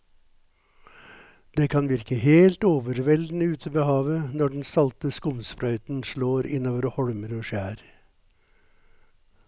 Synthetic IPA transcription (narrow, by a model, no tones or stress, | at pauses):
d̪̥eːkʰɑnʋɪɾkəheːlt̪oːʋəɾʋɛld̪n̩əʉːt̪ʰəbəhɑːʋənɔɖn̩sɑlt̪əskʊmsfɾœʏt̪n̩ʂɭoːɾɪnoːʋəɾhɔɽməɾoːʃæːɾ